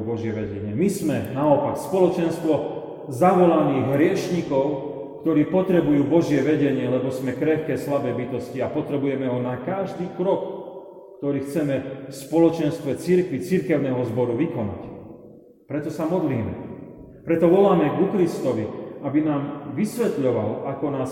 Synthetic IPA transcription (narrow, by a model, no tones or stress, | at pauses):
bɔʒɪɛʋɛɟɛɲɪɛmizmɛnaɔpakspɔlɔt͡ʃɛnst̪ʋɔ | zaʋɔlaniːɣɦɾɪɛʃɲikɔʊ | kt̪ɔɾiːpɔt̪ɾɛbujuːbɔʒɪɛʋɛɟɛɲɪɛlɛbɔsmɛkɾɛxkɛːslabɛːbit̪ɔsciapɔt̪ɾɛbujɛmɛɦɔnakaʒd̪iːkɾɔkː | t̪ɔɾiːxt͡sɛmɛfspɔlɔt͡ʃɛnst̪ʋɛt͡siɾkʋit͡siɾkɛʊnɛːɦɔzbɔɾuʋikɔna̰c | pɾɛt̪ɔsamɔd̪liːmɛ̰ | pɾɛt̪ɔʋɔlaːmɛɡukɾist̪ɔʋiabinaːmʋisʋɛt̪ʎɔʋa̰lakɔnaːs